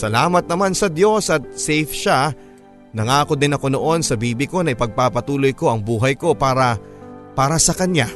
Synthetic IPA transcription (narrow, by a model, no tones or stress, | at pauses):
sɐlaːmɐt̪̚nɐmansɐd̪jo̞sɐt̪̚sɛjfʃa | nɐŋaːko̞d̪ɪnɐko̞no̞ʔo̞nsɐbiːbɪko̞nɐʔɪpɐɡ̚papɐt̪uːlo̞jko̞ʔɐŋbuːɦɐjko̞paːɾɐpaːɾɐsɐkɐnja